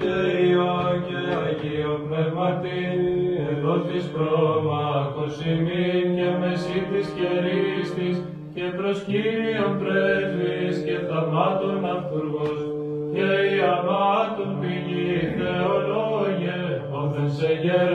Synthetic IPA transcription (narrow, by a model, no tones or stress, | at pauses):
eioʝeɐʝionpnevmɐt̪i | enot̪ispɾomɐkosiminɲɐmesit̪isçeɾist̪is | ce̞pɾo̞sçiɾio̞np̪ɾezvisce̞θɐmɐt̪onɐfθuɾɣos | ceiɐmɐt̪onpiʝit̪eoloʝe | oðenseʝeɾ